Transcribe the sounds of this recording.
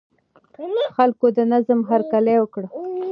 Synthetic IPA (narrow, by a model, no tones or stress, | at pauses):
xalkod̪ənazəmɦaɾkalewəkɽə